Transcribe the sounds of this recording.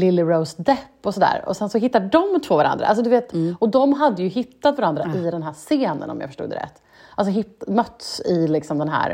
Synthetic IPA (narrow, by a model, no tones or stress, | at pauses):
lɪlːɪɾoʊsd̪ɛpːɔsɔd̪æ̰ːɾɔ̰sɛnsɔɦɪt̪ːad̪ɖɔmt̪ʰvoːvaɾa̰nd̪ɾaʔa̰ls̬ɔd̪ɵveːt̪ɔd̪ɔmɦad̪ːəjɵɦɪt̪ːat̪vaɾand̪ɾaʔɪd̪ɛnɦæːseːnə̰nɔ̰mjɑ̰fœ̥ʂʈṵːd̪ə̰ɾɛ̰t̪ː | als̬ɔɦɪt̪ːmœt̪ːsɪlɪksɔmd̪ɛnɦæ̰ːɾ